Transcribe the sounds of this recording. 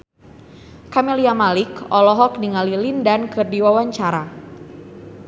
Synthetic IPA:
kameliamalɪkɔlɔɦɔk̚niŋalilindankɨrdiwawaɲt͡ʃaɾa

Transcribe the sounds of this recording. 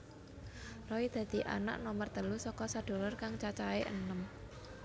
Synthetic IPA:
rɔid̪̥ä̤d̪̥i̤ʔa̰na̰ʔnɔmərt̪əlusɔkɔsaɖ̥o̤lɔrkaŋt͡ʃat͡ʃaeʔə̰nəm

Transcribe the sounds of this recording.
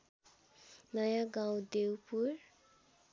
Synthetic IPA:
nʌjaɡãwd̪ewpuɾ

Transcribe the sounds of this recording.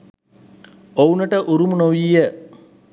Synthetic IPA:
ounəʈəʔuɾumunoʋijə

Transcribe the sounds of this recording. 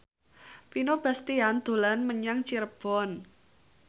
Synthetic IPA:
pinob̥ast̪iand̪̥o̤lanməɲaŋt͡ʃirb̥ɔn

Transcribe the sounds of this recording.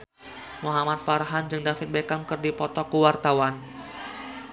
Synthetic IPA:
muɦamat̪̚faɾɦand͡ʒɨŋdafɪt̪̚bekamkɨrdipɔt̪ɔkuwart̪awan

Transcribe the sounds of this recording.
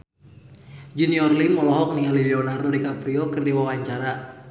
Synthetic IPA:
d͡ʒuniɔrlimɔlɔɦɔk̚nialiliɔnardɔdikapɾiɔkɨrdiwawaɲt͡ʃaɾa

